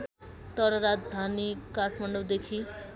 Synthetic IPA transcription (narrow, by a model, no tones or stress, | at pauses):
t̪ʌɾʌɾad͡zd̪ʱanikaʈʰmaɳɖod̪ekʰi